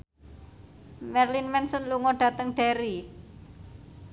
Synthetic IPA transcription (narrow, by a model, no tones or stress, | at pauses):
mɛrlinmɛnsɔnluŋɔɖ̥ä̤t̪əŋɖ̥e̤ɾi